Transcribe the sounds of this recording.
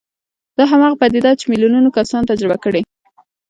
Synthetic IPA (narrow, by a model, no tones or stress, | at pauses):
d̪̥ɑɦamɑɣapad̪ɪd̪ɑt͡ʃemiljununokasɑnt̪ad͡ʒɾɪbakəɽe